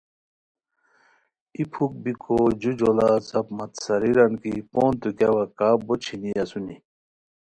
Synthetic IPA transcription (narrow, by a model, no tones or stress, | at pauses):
ipʰuk̚bikʰod͡ʑud͡ʑolat͡sɐpmɐt̪sɐɾiɾɐnkipoːnt̪ukawɐkaːbot͡ɕʰiniɐsuni